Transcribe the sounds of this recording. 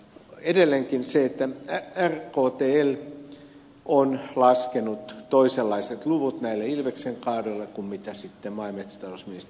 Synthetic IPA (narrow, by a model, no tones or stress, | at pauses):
edelːeŋkinseet̪ːææærkoːt̪eːel | ʔonlɑskenut̪t̪oiselːɑiset̪luʋut̪næilːeilʋekseŋkɑːdoilːekummit̪æsit̪ːemɑimet̪si̥t̪ɑlosminist̪